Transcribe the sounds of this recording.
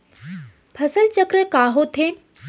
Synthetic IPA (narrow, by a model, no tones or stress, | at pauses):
pʰɐsəlt͡ɕəkɾəkaːɦot̪ʰeːn